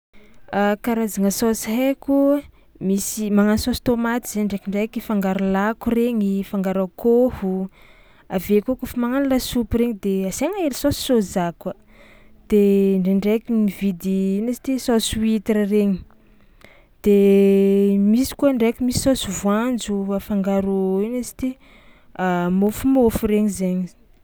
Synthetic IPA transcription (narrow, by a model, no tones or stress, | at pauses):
akaɾazaŋəsosiɦeku | misimaŋansosi̥t̪omat̪iz̥eɳɖ͡ʐekiɳɖ͡ʐekifaŋɡaɾulakureɲifaŋɡaɾakohu | avekokufamaŋanlasupɾeɲid̪eazeŋaelisosi̥sozakə | d̪̥eɳɖ͡ʐeɳɖ͡ʐekinivid̪inesi̥t̪isosuwit̪eɾreɲi̥ | d̪̥e | misi̥kuəɳɖ͡ʐekʲimisi̥sosuvwand͡zuafaŋɡaɾoinesi̥t̪i | amofumofuɾeɲizeɲi